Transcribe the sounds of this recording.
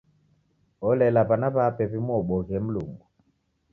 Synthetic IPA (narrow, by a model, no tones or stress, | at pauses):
ɔlɛlapanaβapɛβimuɔɓɔɣɛm̩lṵŋɡu